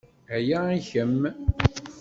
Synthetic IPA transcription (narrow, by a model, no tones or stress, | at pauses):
æjaiçəm